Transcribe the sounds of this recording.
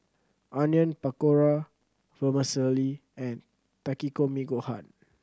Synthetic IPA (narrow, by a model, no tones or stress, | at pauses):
ʔãnjə̃npakoɹa | fəmasəliɛ̃n | t̪akikomiɡohã̰n